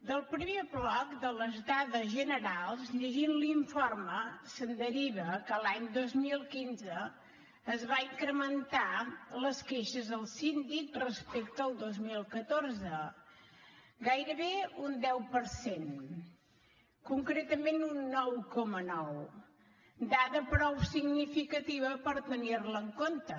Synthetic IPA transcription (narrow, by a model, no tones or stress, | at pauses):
d̪əlˠpɾəmeβlɔkd̪ələzd̪aðəzʒənəɾalˠzʎəʒinliɱforməsənd̪əɾiβəkəlaɲd̪ozmilˠkinzəː | zβaiŋkɾəmənt̪aləskeʃəzðəlˠsind̪ik̚rəspekt̪əəlˠd̪ozmilˠkət̪orzə | ɡajɾəβeund̪ɛwpəɾsen | kuŋkɾet̪əmenunːɔwkɔmənɔw | d̪aðəpɾɔwsiɡnifikət̪iβəpəɾt̪ənirləːŋkont̪ə